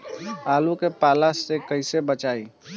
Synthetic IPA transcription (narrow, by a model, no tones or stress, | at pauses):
aːlukepaːlasekəɪsebət͡ʃaːi